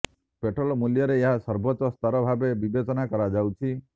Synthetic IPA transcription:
peʈʰɾɔlɔmuljɔɾeːɦasɔɾbʱɔt̪ɔst̪aɾɔbʱabebibet͡ʃɔnakɔɾad͡ʒawt͡ʃʰi

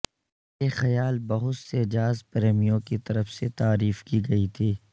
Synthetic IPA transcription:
jeːxɐjaːlbɐɦʊt̪sed͡ʒaːzpɾeːmijõkit̪ɐɾəfset̪aːɾiːfkiɡɐit̪ʰiː

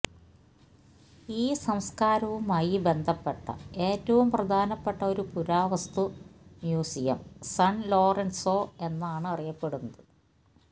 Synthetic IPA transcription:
iːsɐmskaːɾɐʋumaːjibe̞nd̪ʱɐpːe̞ʈːɐ̰e̞ːtːɐʋumprɐd̪ʱaːnɐpːeʈːɐo̞ɾupuɾaːʋɐst̪umjuːsijɐ̰msɐɳlo̞ːrensoːe̞nːaːɳɨɐrijɐpːe̞ɽunːɐðɨ

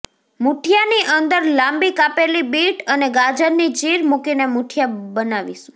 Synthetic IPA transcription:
muʈʰjaniʔənd̪əɾlambikapelibiʈəneɡad͡ʒəɾnid͡ʒiɾmukinemuʈʰijabənaʋḭʃũ̥

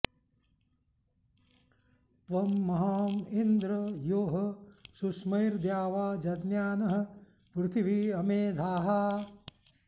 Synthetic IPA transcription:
t̪ʋɐmːɐɦaːmind̪ɾɐjoːɦɐsusmɐjɾd̪jaːʋaːd͡ʒɐd̪njaːnɐɦɐ̆ | pɾut̪ʰiʋiɐmeːd̪ʱaːɦaː

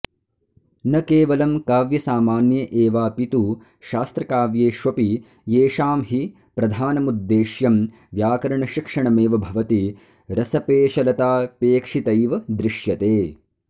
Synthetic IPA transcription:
nɐkeːʋɐlɐmkaːʋjɐsaːmaːnjɐʔeːʋaːpit̪u | ʃaːst̪ɾɐkaːʋjeːʃʋɐpi | jeːʃaːmɦi | pɾɐd̪ʱaːnɐmud̪ːeːʃjɐm | ʋjaːkɐɾɐɳɐʃikʂɐɳɐmeːʋɐbʱɐʋɐt̪i | ɾɐsɐpeːʃɐlɐt̪aːpeːkʂit̪ɐjʋɐd̪ɾɪʃjɐt̪eː

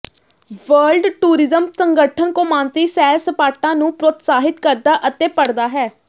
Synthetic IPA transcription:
ʋəːlɖʈuːɾɪzəmsəŋɡəʈʰənkoːmãːnt̪iːsɛːɾsəpaːʈãːnũːpɾoːt̪saːɦɪt̪kəɾd̪aːʔət̪eːpəɽd̪aːɦɛː

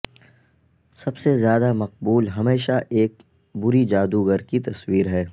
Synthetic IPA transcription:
sɐbsezjaːd̪amɐq̚buːlɦɐmeːʃaʔeːk̚ | bʊɾid͡ʒaːd̪uɡəɾkit̪ɐswiːɾɦɛː

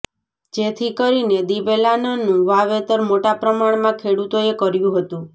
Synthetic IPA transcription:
d͡ʒet̪ʰikɔɾined̪ibelanɔnũʋaʋet̪ɔɾmoʈapɾɔmaɽ̃mãkʰeɽut̪oekɔɾjũɦɔt̪ũ

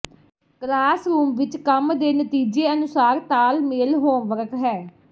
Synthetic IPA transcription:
klaːsɾuːmʋɪt͡ʃkəmd̪eːnət̪iːd͡ʒeːənʊsaːɾt̪aːlmeːlɦoːmʋəɾəkɦɛː

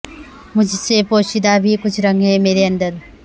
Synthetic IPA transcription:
mud͡ʒʱisepoːʃid̪abʱikut͡ʃʰɾɐŋɡɦeːmeːɾeɐnd̪ɐɾ

